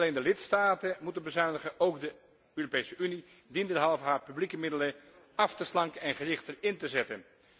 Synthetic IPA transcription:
leːndəlɪtstaːtəmutənbəzœɥndəχənowkdə | øːropejsəʔyni | dindɛɹɦɑlˠvəɦaːɹpyblikəmɪdələ | ɑftəslɑŋkənɛnχərɪχtərɪntəzɛtən

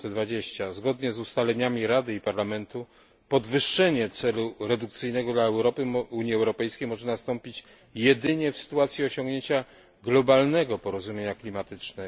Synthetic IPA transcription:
ɛd̪vad͡ʑeɕt͡ɕazɡɔd̪ɲɛzust̪alɛɲamʲiɾad̪ɘipaɾlamɛnt̪u | pɔd̪vɘʂːɛɲɛt̪sɛluɾɛd̪ukt̪sɘjnɛɡɔd̪laɛwɾɔpɘuɲjiɛwɾɔpɛjskʲejmɔʐɛnast̪ɔmpʲit͡ɕ | jɛd̪ɘɲɛfsɘ̥t̪uat̪sʲjiɔɕɔ̃ŋɡɲeɲt͡ɕa | ɡlɔbalnɛɡɔpɔɾɔzumʲjeɲaklʲimat̪ɘt͡ʂnɛ

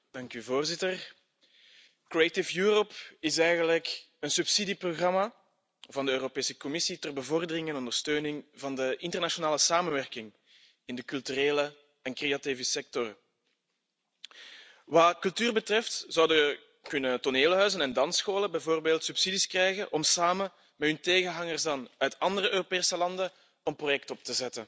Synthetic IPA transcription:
d̥ɑŋkyvoːrzɪtər | krietɪfjuːɾɔpɪsɛjɣənlək | ənsypsidiproɣrɑma | vɑndəøːropeːsəkɔmɪsitərbəvɔrdərɪŋɛnɔndərstøːnɪŋvɑndəʔɪntərnaʃonaːləsaːmənʋɛrkɪŋ | ɪndəkɵlˠtyɾeːlə | ɛnkreativəsɛk̚tɔr | ʋɑkɵlˠtyːrbətrɛftz̥ɑwdəə | kɵnətoneːləɦœɥzənɛndɑnsxoːləbɛjvoːrbeːlˠtsypsiːdiskrɛjɣənʔɔmsaːmən | mɛtɵnteːɣənɦɑŋərzdɑnœɥtɑndərəʔøːropeːsəlɑndən | ɔmprojɛk̚tɔp̚təzɛtə

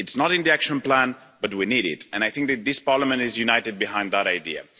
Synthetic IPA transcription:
ɨtsnəɾɨ̃nðiækʃə̃nplæ̃nb̥ʌt̚winiɾɪ̰tɨ̃ñaɪθɪ̃ŋk̚ðɨt̪̚ðɪspɑɹləmə̃ntɪzjunaɪtɨd̚bɨɦãɪ̃nd̪ðəɾaɪdiə̰

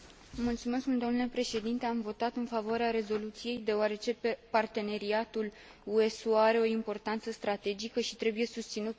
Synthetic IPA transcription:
mult̪sume̞skmuld̪omnule̞pɾe̞ʃe̞d̪int̪e̞amvo̞t̪at̪ɨnfavoaɾeaɾe̞zo̞lut̪sije̞jd̪e̞oaɾe̞t͡ʃe̞part̪e̞ne̞ɾiat̪ul | ue̞soaɾe̞o̞impo̞rt̪ant̪səst̪ɾat̪e̞d͡ʒikəʃit̪ɾe̞bujesust̪sinut̪

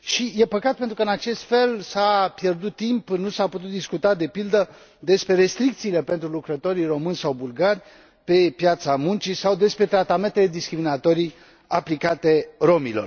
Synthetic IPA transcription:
ʃije̞pəkat̪̚pe̞nt̪ɾukəɨnat͡ʃe̞st̪fe̞lsapje̞rd̪ut̪ːimpnusaput̪ut̪̚d̪iskut̪ad̪e̞pild̪ə | d̪e̞spɾe̞ɾe̞st̪ɾik̚t̪siːle̞pe̞nt̪ɾulukɾət̪o̞ɾiro̞mɨnsawbulɡarʲ | pe̞pjat̪samunt͡ʃisawd̪e̞spɾe̞t̪ɾat̪ame̞nt̪e̞le̞d̪iskɾiminat̪o̞ɾi | aplikat̪e̞ro̞milo̞̰r

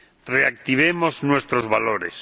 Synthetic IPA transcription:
reak̚t̪iβ̞emoznwest̪ɾozβaloɾes

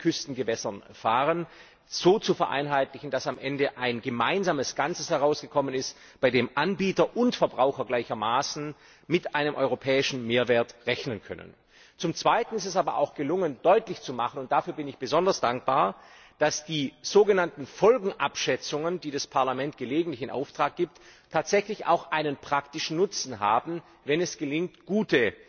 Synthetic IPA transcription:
kʰʏstn̩ɡəvɛsɐnfaːʁən | z̥oːt͡sufɛɐʔa̰ɪnɦaɪtlɪçn̩d̥asamʔɛndəʔaɪnɡəmaɪnzaːməsɡ̥ant͡səshɛʁ̞aʊsɡ̥əkʰɔmənɪst | b̥aɪdeːmʔanbiːtɐʔʊntfɛɐbʁaʊxɐɡlaɪçɐmaːsn̩ | mɪtaɪnəmʔɔ̰ʏʁopʰɛːɪʃn̩meːɐvɛːɐtʁɛçnənkʰœ̰nə̰n | t͡sʊmt͡sv̥aɪtn̩ɪstɛsaːbɐʔa̰ʊxɡ̥əlʊŋənd̥ɔʏtlɪçt͡sumaχənʊnt̚d̥afyːɐbɪnɪçb̥əzɔndɐsd̥aŋk̚b̥aːɐ | d̥asd̥iːz̥oːɡənantn̩fɔlɡŋ̩ʔapʃɛt͡sʊŋəndiːdaspʰaɐlamɛnt̚ɡ̥əleːɡŋ̩tlɪçɪnʔa̰ʊftʁ̥aːk̚ɡ̥iːp̚ttʰːaːtz̥ɛçlɪça̰ʊxʔaɪnənpʁ̥aktɪʃn̩nʊt͡sn̩ɦa̰ːbm̩ | vɛnɛsɡ̥əlɪŋtɡ̥uːtə

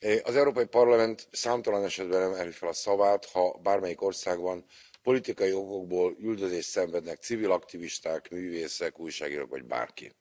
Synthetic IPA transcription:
ʔɒzɛwɾoːpɒjipɒrlɒmɛnt̪saːmt̪ɒlɒnɛʃɛd̪̚bɛnɛmɛlyfɛlɒsɒvaːt̪hɒbaːrmɛjiko̞rsaːɡbɒn | po̞lit̪ikɒjio̞ko̞ɡ̚boːlyld̪øzeːʃt̪sɛɱvɛd̪nɛk̚t̪sivilɒkt̪iviʃt̪aːkmyːveːsɛkuːjʃaːɡiːɾo̰kʋɒ̰ɟba̰ːrkḭ

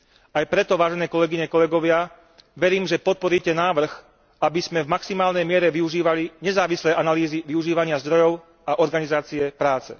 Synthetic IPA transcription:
ajpɾɛt̪ɔʋaːʒɛnɛːkɔlɛɡiɲɛkɔlɛɡɔʋɪa | ʋɛɾiːmʒɛpɔt̪̚pɔɾiːcɛnaːʋr̩x | abiz̥mɛvmaksimaːlnɛjmɪɛɾɛʋiuʒiːʋaliɲɛzaːʋislɛjanaliːziʋiuʒiːʋaɲɪazd̪ɾɔjɔʊ | aʔɔɾɡanizaːt͡siɛpɾaːt͡sɛ̰

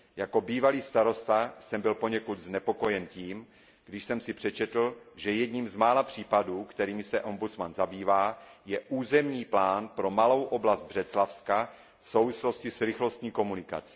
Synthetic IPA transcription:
jako̞biːvaliːst̪aɾo̞st̪asɛmbɪlpo̞ɲɛkud̪znɛpo̞ko̞jɛnciːm | ɡ̥dɪʃsɛmsɪpr̝̥ɛt͡ʃɛt̪l̩ʒɛjɛdɲiːmzmaːlapr̝̥iːpaduːkt̪ɛɾiːmɪsɛʔo̞mbut͡smanzabiːvaːjɛʔuːzɛmɲiːplaːnpɾo̞malo̞wʔo̞blazd̪̚br̝ɛt͡slafska | fso̞wvɪslo̞scɪsɾɪxlo̞st̪ɲiːko̞munɪka̰t͡si̥

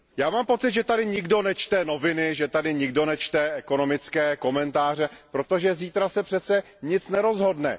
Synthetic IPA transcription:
jaːmaːmpo̞t͡sɪt̪ʒɛt̪adɪɲɪɡdo̞nɛt͡ʃt̪ɛno̞vɪnɪʒɛt̪adɪɲɪɡdo̞nɛt͡ʃt̪ɛʔɛko̞no̞mɪt͡skɛːko̞mɛnt̪aːr̝ɛpɾo̞t̪oʒɛziːt̪ɾasɛpr̥ɛt̪t͡sɛ | ɲɪt͡snɛɾo̞zɦo̞dnɛ̰

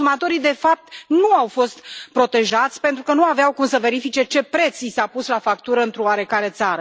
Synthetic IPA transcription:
umat̪o̞ɾid̪e̞fap̚t̪nuawfo̞st̪pɾo̞t̪e̞ʒat̪sʲpe̞nt̪ɾukənuaveawkumsəve̞ɾifit͡ʃe̞t͡ʃe̞pɾe̞t̪sisapuslafakt̪uɾəɨnt̪ɾooaɾe̞kaɾe̞t̪saɾə

